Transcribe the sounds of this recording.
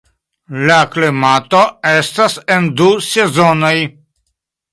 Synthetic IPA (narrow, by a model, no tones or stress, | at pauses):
laklimat̪oestasend̪usezonoj